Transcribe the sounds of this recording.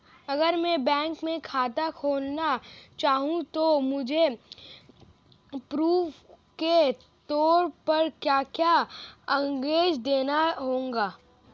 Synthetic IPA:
ɐɡəɾmɛ̃bɛ̃ːŋkmẽkʰaːt̪akʰoːlnat͡ʃaːɦũt̪omʊd͡ʒʱe | pɾuːf | ke | t̪ɔːɾpɐɾkjaːkjaːɐ̃ŋɡeːd͡ʒd̪eːnaɦõːŋɡaː

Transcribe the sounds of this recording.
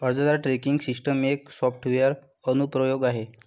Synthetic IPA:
əɾd͡zəd̪aɾʈɾekiŋɡsisʈəmeksɔfʈʋeɾ | ənupɾəjoɡaɦe

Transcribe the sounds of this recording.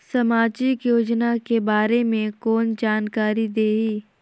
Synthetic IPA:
sɐmaːd͡ʒikjoːd͡ʒnakebaːɾemẽkoːnd͡ʒaːnkaːɾid̪eːɦiː

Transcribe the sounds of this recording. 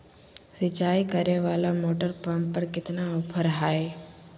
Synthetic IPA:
sɪt͡ʃaːikəɾeʋaːlamoːʈəɾpəmpəɾkɪt̪naʊpʰəɾɦaːeː

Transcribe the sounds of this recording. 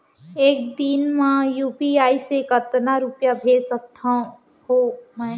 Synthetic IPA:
eːk̚d̪iːnmãjuːpiaːisekət̪naɾʊpjabʱeːsək̚t̪ʰã | hoːmɛ̃ː

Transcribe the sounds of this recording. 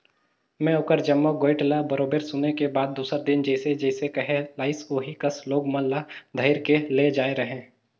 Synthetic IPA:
mɛ̃oːkəɾd͡ʒɐmːoɡoːɪʈlabɐɾoːbeɾsʊnekebaːd̪̚ːuːsɾd̪ɪnd͡ʒɛːsed͡ʒɛɪsekɐɦelaːɪsoːɦikəsloːɡmɐ̃llad̪ʱɐɪɾkeled͡ʒaːeɾɐɦẽː

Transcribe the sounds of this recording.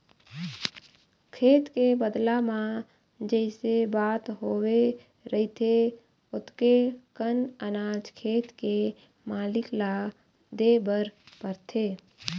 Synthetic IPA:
kʰeːt̪kebəd̪lamã | d͡ʒəɪsebaːt̪ɦoːwe | ɾəit̪ʰe | ʊt̪kekənənaːd͡ʒkʰeːt̪ke | maːlɪkla | d̪eːbəɾpəɾt̪ʰeː

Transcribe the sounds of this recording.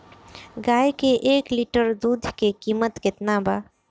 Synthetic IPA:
ɡaːjkeʔeːkliʈəɾd̪uːd̪ʱkekiːmət̪kɪt̪nabaː

